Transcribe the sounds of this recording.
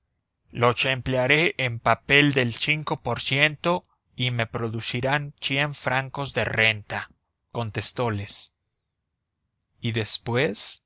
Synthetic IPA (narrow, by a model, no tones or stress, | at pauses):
lo̞t͡ʃempleaɾe̞ʔempape̞ld̪e̞lsiŋko̞po̞ɾsje̞nt̪o̞ | ime̞pɾo̞ðusiɾansje̞ɱfɾaŋko̞zðe̞re̞nt̪a | ko̞nt̪e̞st̪o̞le̞s | iðe̞spwe̞s